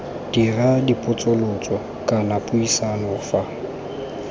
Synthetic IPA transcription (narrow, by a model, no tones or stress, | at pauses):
d̥iradipʼʊt͡sʼʊlʊt͡sʼɔ | kʼanapʼʊisanɔfa